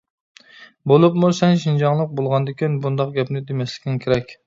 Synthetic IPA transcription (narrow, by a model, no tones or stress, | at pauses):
bolˠupmusɛnʃind͡ʒɑŋlˠəq̚bolˠʁɑnd̪ɪkʲinbund̪ɑqɡʲɛpnɪd̪emɛslɪ̥k̪ʲɪnkʲʰeɾɛkʲ